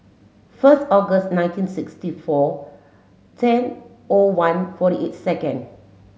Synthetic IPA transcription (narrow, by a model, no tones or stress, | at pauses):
fəstɔɡəstnãɪj̃ntĩnsikstifɔ | tʰɛ̃n | owãnfɔɾiʔetsɛkə̃n